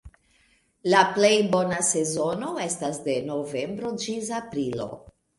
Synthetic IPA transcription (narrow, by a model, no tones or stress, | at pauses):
laple̞jbo̞nase̞zo̞no̞e̞stasde̞no̞ve̞mbɾo̞d͡ʒis̬apɾilo̞̰